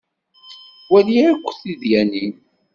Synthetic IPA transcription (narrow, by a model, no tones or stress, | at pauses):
wæliʕakʷːθiðjæni